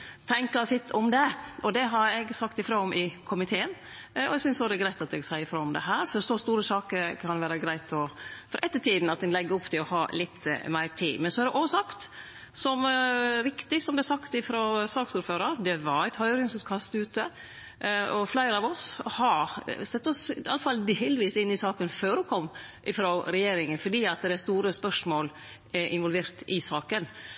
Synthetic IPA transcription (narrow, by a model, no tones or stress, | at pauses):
t̪ʰɛŋkɑsɪt̪ʰːɔmd̪ɛʔɔd̪ɛɦɑɾɛɡsɑkt̪ɪfɾoːɔmʔɪkʰʊmɪt̪ʰeːən | ɔɛɡsʏnsɔd̪ɛɡɾæɪt̪ɑt̪̚ɛɡsæɪəfɾoːɔmd̪ɛ̰ɦæːɾfɔɾsɔst̪uːɾəsɑːkəɾkʰɑnʋæːɾəɡɾæɪt̪ʰɔfɔɾʔɛt̪ːəʈʰiːd̪n̩ɑt̪̚d̪ɛnlɛɡːəʊpːt̪ʰɪlɔhɑ̰ːlɪt̪ːmæɪɾt̪ʰḭːmɛnsɔæɾd̪ɛʔoːsɑkt̪ | sɔmɾɪkt̪ɪsɔmd̪æsɑkt̪ɪfɾoːsɑːksuːɾføːɾəɾd̪ɛʋɑɾæɪt̪hœʏɔɾɡɪnŋsʉːt̪kʰɑst̪ʉːt̪ə | ɔflæɪɾəɑʋɔshɑɾsɛt̪ːɔsɑ̰lːəfɑld̪eːlʋiːsɪnːɪsɑːkənføːɖʊkʰɔmːʔɪfɾoːɾɛjeːɾɪŋənfɔɖiːɑt̪d̪ɛæst̪uːɾəspœʂmoːl | ʔɪnʋɔlʋeːɾt̪ɪsɑːkən